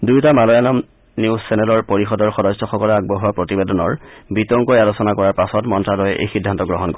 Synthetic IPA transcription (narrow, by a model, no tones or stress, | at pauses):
dujtamalɔjanɔm | niuzsɛnɛlɔɹpoɹixɔdɔɹxɔdɔsːɔxɔkɔlɔaɡ̚bɔɦuwapɹotibedɔnɔɹbitɔŋkɔjalosɔnakɔɹaɹpasɔtmɔntɹalɔjɛʔḛjxidʱːantɔɡɹɔɦɔnkɔ